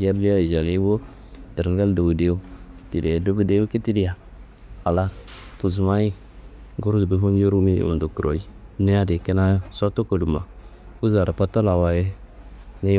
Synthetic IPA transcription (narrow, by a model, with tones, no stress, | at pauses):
d͡ʒa˦bli˦a˦˨ʒa˨li˦wo˦ | de˨ɾɡa˦ldo˨bu˨de˦u˦ki̥˨ti˨ɾi˨a˨do˦bu˦de˦o˦ki˦ti˦di˦ja˨ | a˨la˦spu˨zu˨ma˦i˦ | ɡo˦ɾdbi˦fu˦n˦jo˦ɾu˦mi˦ṵ˨m˨do˨ku˨ɾo̰˨i˦ne˦a˦de˨ke˦na˦so˦to˦ko˨lu˨ma˨ku˦za˨ɾa˨pa˦ta˦la˨wa˨je˦ | ne˦